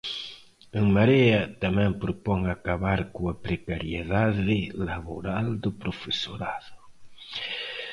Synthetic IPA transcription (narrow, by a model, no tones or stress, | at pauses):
eŋmaɾeɐt̪amɛ̃ŋpɾopɔŋakaβaɾkoapɾekaɾjeðaðɪlaβoɾald̪ʊpɾofesoɾaðʊ